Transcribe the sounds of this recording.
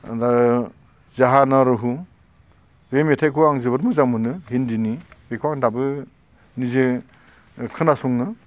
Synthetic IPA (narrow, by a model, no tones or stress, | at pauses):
a | zaɦanaɾɯɦu | bemetʰajkʰuaŋzɯbɯɾmɯzamɯnɯɦindinibekʰwaŋdabɯ | nizɯ | kʰɯnasuŋnɯ